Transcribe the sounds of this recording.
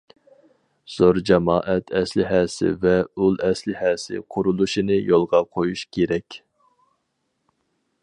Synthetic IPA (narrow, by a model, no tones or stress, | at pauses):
z̥oɾd͡ʒɑmɑːʔɛt̪ʰɛslɪɦɛːsɪ̰vɛulˠɛslɪhɛːsɪ̰qʰʊɾulˠuʃinɨjolˠʁɑqʰojuʃkʲʰeɾɛkʲ